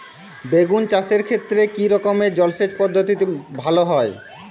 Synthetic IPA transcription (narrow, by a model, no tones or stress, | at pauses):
beɡunt͡ɕaseɾkʰet̪ːɾekiɾɔkomed͡ʑɔlsed͡ʑpɔd̪ʱːot̪it̪ibʱaloɦɔe